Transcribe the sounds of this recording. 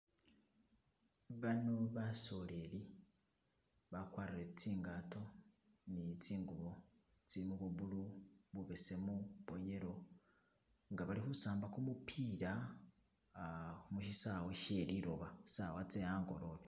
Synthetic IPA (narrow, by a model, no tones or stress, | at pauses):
βanoβaso̞le̞li | βakwaːɾiɾet͡siːŋɡato̞ | nit͡siːŋɡuβo̞ | t͡siɾimuβuβuluβuβese̞muβoje̞ɾo̞ | ŋɡaβalihusaːmbakumupʰiːɾa | umuʃisaweʃeɾiɾo̰βai̥sawat͡sejaːŋɡo̞̰ɾole